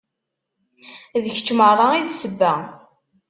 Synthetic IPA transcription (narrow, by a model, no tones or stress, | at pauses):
ðəçə̥t͡ʃːmərˤːɑiðsəbːæ